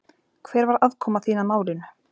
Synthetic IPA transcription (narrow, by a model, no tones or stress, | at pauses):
kʰv̥ɛːɾvaɾaðkʰɔːmaθiːnamaːwlɪnʏ